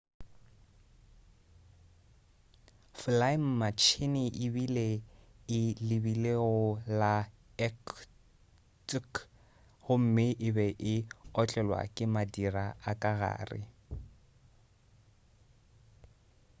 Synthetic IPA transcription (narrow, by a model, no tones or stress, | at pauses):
flaim̩mat͡ʃʰɪnɪʔɪbileɪlɪbileɔla | ɛk | tʼk | hʊm̩mɪʔɪbɛʔɪɔt͡ɬʼɛlwa̰kʼɪmadiraakʼaɣa̰ːrɪ̰